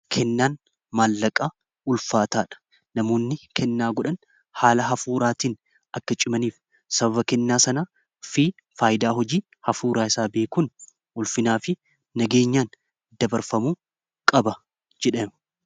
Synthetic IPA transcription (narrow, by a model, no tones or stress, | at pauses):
kʰɛnːaːn | maːlːɐkʼːa | ʊlfaːt̪aːᶑɐ̥ | nɐmo̞ːnːɪkʰɛnːaːɡɔᶑɐn | haːlɐɦɐfuːɾaːt̪iːn | ɐkːɐt͡ʃʼɪmɐniːf | sɐbɐβɐkɛnːaːsɐna | fiː | faːjɪd̪aːɦɔd͡ʒiː | hɐfuːɾaːɪsaːbe̞ːkʊːn | ʊlfɪnaːfɪː | ɐɡe̞ːɲːaːn | d̪ɐbɐɾfɐmuː | kʼɐbɐ | d͡ʒɛᶑeːm